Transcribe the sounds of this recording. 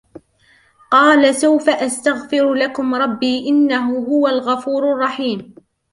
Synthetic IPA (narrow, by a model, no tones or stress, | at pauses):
qɑːlasawfaʔast̪aɣfɪɾlakʊmɾˤɑbːiːʔɪnːaɦʊɦʊwalɣɑfuːɾɑrˤːɑħiːm